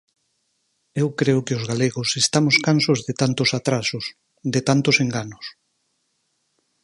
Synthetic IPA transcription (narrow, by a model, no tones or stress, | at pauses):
ewkɾeʊkeʊzɣaleɣʊsest̪amoskansozðet̪ant̪ʊsat̪ɾasʊs | d̪et̪ant̪ʊseŋɡanʊs